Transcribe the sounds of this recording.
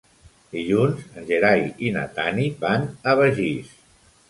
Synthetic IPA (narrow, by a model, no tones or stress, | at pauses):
d̪iʎunzənʲʒeɾajina̰t̪anibanəβəʒis